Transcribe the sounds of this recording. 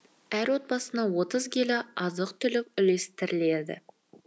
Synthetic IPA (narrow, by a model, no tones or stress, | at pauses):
æɾwo̞t̪̚bɑsənɑwo̞t̪əzɡʲelɪɑzəqt̪ʰʏlɪk̚ʲʏle̞st̪ɪɾɪle̞d̪ɪ̰